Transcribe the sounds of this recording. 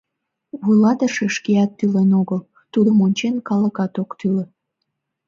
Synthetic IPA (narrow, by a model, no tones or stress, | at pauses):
βulɑt̪əʃeʃkeɑt̪ːylenoɣəl | t̪ud̪omonʲt͡ɕenkɑləkɑt̪okt̪ylə